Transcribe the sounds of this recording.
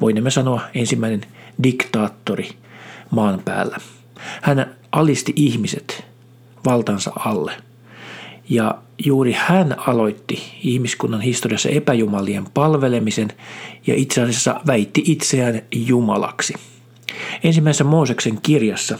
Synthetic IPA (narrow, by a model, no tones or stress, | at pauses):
ʋoinːemːesɑnoɑensimːæinendikt̪ɑːt̪ːori | mɑːnpæ̰ːlːæ | hæn | ʔɑlist̪iʔihmiset̪ | ʋɑlt̪ɑːnsɑ̰ʔɑlːe | jɑjuːrihænɑloit̪ːiihmiskunːɑnhist̪oriɑsːɑ̰ʔepæjumɑliempɑlʋelemisenjɑ̰ʔit̪seɑsesːɑ̰ʋæit̪ːiʔit̪seæːnjumɑ̰lɑ̰ksi | ensimːæisesːæmoːsekseŋkirjɑsːɑ